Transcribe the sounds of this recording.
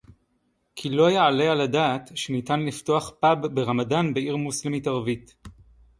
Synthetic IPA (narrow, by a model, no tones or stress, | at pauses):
kʰilo̞ajaale̞aladaːtʃenitanlifto̞aχpabbeʁamadanbeiʁmuslemitaʁvit